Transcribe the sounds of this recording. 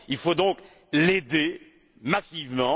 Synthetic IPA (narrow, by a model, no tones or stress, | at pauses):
ilfod̪ɔ̃k | led̪e | masivmɑ̃